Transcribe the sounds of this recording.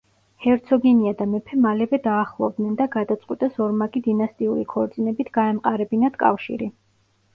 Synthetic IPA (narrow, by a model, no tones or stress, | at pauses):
hɛɾt̪sʰɔɡɛniad̪amɛpʰɛmalɛvɛd̪aːχlˠɔ̰vd̪nɛnd̪aɡad̪at̪sʼqʼwit̪ʼasɔɾmakʼid̪inast̪ʼiuɾikʰɔɾt̪sʼinɛbit̪ʰɡ̥aɛmqʼaɾɛbinat̪ʰkʼa̰fʃḭɾi